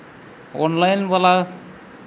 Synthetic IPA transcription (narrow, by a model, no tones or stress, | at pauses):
ɔ̰nlajnbala